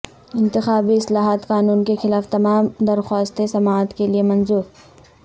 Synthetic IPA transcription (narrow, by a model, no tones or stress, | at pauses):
ɪ̃nt̪ɪxaːbiɪslaːɦaːt̪qaːnuːnkexɪlaːft̪ɐmaːmd̪ɐɾxaːst̪esɐmaːt̪keliemɐnzuːɾ